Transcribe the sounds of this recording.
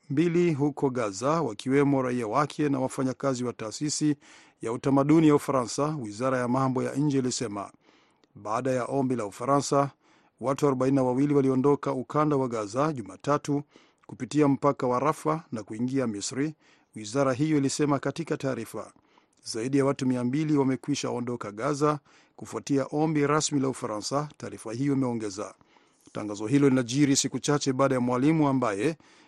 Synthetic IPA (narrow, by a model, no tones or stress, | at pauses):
mbiliɦukɔɠazawakiwɛmɔɾaiawakʰɛnawafaɲakaziwataːsisi | jautamaɗunijaufaɾansawizaɾajamambɔja̰ʔɲ̩d͡ʒɛilisɛma̰ | ɓaaɗajaʔɔmbilaufaɾansa | watuaɾɔɓaininawawiliwaliɔndɔkaukandawaɠazaʄumaːtatu | kupitiam̩pakawaɾafanakuiŋɡiamisɾi | wizaɾaɦijɔilisɛmakatikataːɾifa̰ | zaiɗijawatumiambiliwamɛkwiʃa̰ɔndɔkaɠaza | kufuatiaʔɔmbiɾasmilaufaɾansataːɾifahijɔimɛɔŋɡɛza̰ | ta̰ŋɡazɔɦilɔlinaʄiɾisikut͡ʃat͡ʃɛɓaːɗajamwalimuambajɛ